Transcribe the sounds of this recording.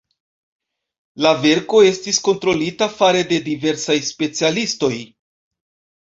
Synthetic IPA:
lave̞ɾko̞e̞stisko̞ntɾo̞litafaɾe̞de̞dive̞ɾsajspe̞t͡sialisto̞j

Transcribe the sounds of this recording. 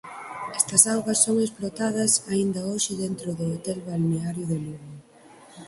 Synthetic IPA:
ɛst̪ɐsawɣɐsːoŋesplot̪aðɐsaind̪ɐoʃɪðent̪ɾʊðʊot̪ɛlβalneaɾjʊðeluɣʊ

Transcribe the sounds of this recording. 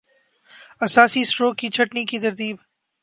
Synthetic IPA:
ɐsaːsisɾoːkːit͡ʃʰɐʈnikit̪ɐɾt̪iːb

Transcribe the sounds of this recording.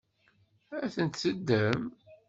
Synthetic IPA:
æθənt̪səd̪ːəm

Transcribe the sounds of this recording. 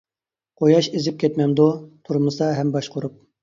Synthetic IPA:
qʰojɑʃezɪp̚kʲʰɛt̪mɛmd̪ut̪ʰuɾmɨsɑɦɛmbɑʃqʰʊɾup̚

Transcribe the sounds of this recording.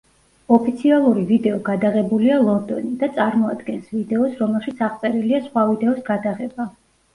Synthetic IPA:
ɔpʰit̪sʰialˠuɾivid̪ɛɔɡad̪aʁɛbulialˠɔnd̪ɔnid̪at̪sʼaɾmɔad̪ɡɛnsvid̪ɛɔsɾɔmɛlˠʃit̪sʰaʁt̪sʼɛɾiliasχwavid̪ɛɔsɡad̪aʁɛba

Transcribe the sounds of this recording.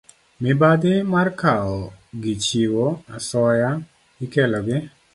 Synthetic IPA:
mɪbad̪ɪmarkaɔɡit͡ʃiwoasɔja | ikɛlɔɡɪ

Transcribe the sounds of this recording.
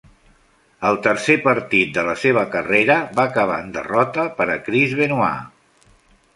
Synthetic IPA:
əlˠt̪əɾsepəɾt̪it̪̚d̪ələseβ̞əkəreɾəbakəβ̞a̰ənd̪ə̰rɔt̪əpəɾəkɾizβenua̰

